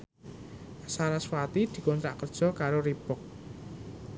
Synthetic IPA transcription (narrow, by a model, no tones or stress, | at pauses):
saɾaswat̪id̪̥i̤kɔnt̪ɾa̰ʔkərd̥ʒ̥ɔ̤kaɾoɾipʊk̚